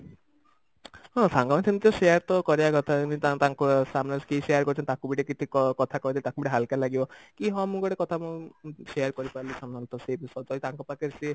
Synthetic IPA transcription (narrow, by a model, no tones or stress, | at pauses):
ɦɔ̃saŋɡamat̪ʰimt̪ɔseaɾt̪ɔkɔɾiakɔt̪ʰanit̪at̪aŋkɔsamnaskesejaɾkɔɾit͡ʃʰɔnt̪akubiʈikit̪ʰikɔkɔt̪ʰakɔid̪ilit̪akubiʈiɦalkalaɡibɔkiɦɔmũɡɔɽekɔt̪ʰamũseaɾkɔɾipaɾlisamnalt̪ɔsebisɔt̪ɔlit̪aŋkɔpakeɾsi